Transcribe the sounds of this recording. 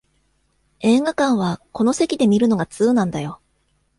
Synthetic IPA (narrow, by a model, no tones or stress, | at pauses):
e̞ːɡakãɰ̃β̞ako̞no̞se̞kʲid̪e̞mʲiɾɯ̟no̞ɡat͡sɨːnãnd̪ajo̞